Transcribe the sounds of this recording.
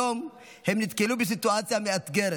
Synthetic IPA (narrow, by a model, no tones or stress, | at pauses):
om | hemnit̪kelubɪs̬it̪uat͡sijamiat̪ɡɛɾ